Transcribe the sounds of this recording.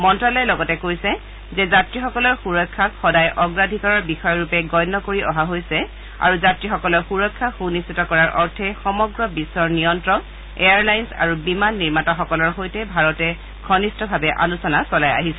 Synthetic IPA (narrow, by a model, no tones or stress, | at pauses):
mɔntɹalɔjɛlɔɡɔtɛkojsɛ | zɛzatɹixɔkɔlɔɹxuɹɔkʰːakxɔdajʔɔɡɹadʱikɔɹaɹbixɔjɔɹupɛɡɔjnːɔkoɹiɔɦaɦojsɛ | a̰ɹuzatɹixɔkɔlɔɹxuɹɔkʰːaxunistitɔkɔɹaɹʔɔɹtʰɛxɔmɔɡɹɔbisːɔɹnijɔntɹɔk | eaɹlajnsa̰ɹubimanːiɹmataxɔkɔlɔɹxojtɛbʱaɹɔtɛ | ɡʰʱɔnistɔbʱabɛʔalusɔnasɔlaja̰ɦisɛ